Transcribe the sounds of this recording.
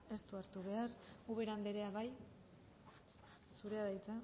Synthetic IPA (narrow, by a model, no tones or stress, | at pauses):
e̞st̪uaɾt̪uβe̞aɾuβe̞ɾand̪eɾe̞aβaj | suɾe̞aðajt͡sa